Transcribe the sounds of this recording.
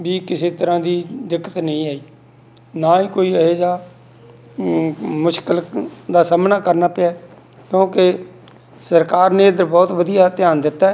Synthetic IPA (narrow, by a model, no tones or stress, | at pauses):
biːkɪseːt̪əɾãːd̪iːd̪ɪkːət̪nəɦĩːaːiː | naːiːkoːiːəɦeːd͡ʒaː | mʊʃkəld̪aːsaːmnaːkəɾnaːpɪaːkjõːke | səɾkaːɾneːd̪əɾbɔːt̪ʋəd̪ijaːt̪ɪjaːnd̪ɪt̪ːaːɛ